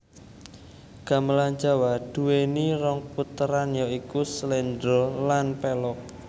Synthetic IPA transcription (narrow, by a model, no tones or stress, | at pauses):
ɡ̥a̤məland͡ʒa̤wad̪̥ṳweniɾɔŋput̪əɾanjoikuslɛnd̪ɾolanpɛlɔk̚